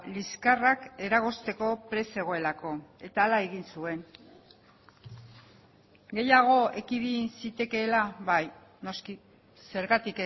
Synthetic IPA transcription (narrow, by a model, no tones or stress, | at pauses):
liskarake̞ɾaɣ̞o̞st̪e̞ko̞pɾe̞se̞ɣ̞o̞e̞lako̞e̞t̪aːlae̞ɣinsue̞ŋ | ɡe̞jaɣ̞o̞e̞kiβinsit̪e̞ke̞ːlaβaj | no̞ski | se̞ɾɣat̪ik